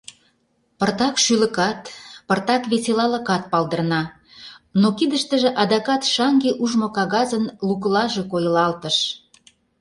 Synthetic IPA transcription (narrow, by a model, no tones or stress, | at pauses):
pərt̪ɑkʃylə̆kɑt̪pərt̪ɑkβeselɑlə̆kɑt̪̚pɑlˠd̪ərnɑ | nokid̪əʃt̪əʒĕʔɑd̪ɑkɑt̪ʃɑŋɡeʔuʒmokɑɣɑzənlukəlɑʒekojə̆lɑlt̪ə̆ʃ